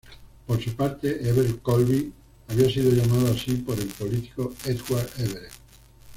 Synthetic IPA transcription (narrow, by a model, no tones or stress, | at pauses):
poɾsupaɾt̪eʔeβeɾkolβi | aβiasiðoʎamaðoasipoɾelpolit̪i̥koet̪ɣwaɾeβeɾe